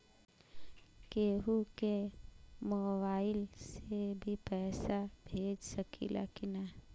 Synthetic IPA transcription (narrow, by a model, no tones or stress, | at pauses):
keːɦuke | moːbaːɪlsebʱipɛːsabʱeːd͡ʒsəkʰḭla̰kina